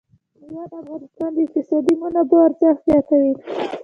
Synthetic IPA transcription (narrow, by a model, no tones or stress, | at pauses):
jɑd̪afɣɑnɪst̪ɑnd̪əɪkt̪ɪsɑd̪imunabaaɾzɑxzjɑt̪awi